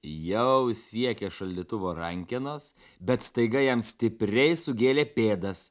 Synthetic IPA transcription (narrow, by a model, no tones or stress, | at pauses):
jɛʊsʲiɛkʲeːʃɐlʲd̪ʲiːt̪ʊʋoːɾɐŋʲkʲɪnoːs | bʲɛt̪st̪ɐɪɡɐjɛmsʲt̪ʲɪpʲɾʲɛɪsʊɡʲeːlʲeːpʲeːd̪ɐs